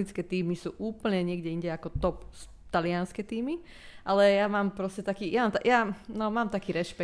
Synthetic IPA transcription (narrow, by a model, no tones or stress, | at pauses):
it͡skɛt̪iːmisṵːʔuːpl̩ɲɛɲɪɛɡɟɛiɲɟɛakɔt̪ɔps | t̪alɪanskɛt̪iːmi | ʔalɛjamaːmpɾɔscɛt̪akiːjamaːmt̪ajanɔmaːmt̪akiːɾɛʃpɛ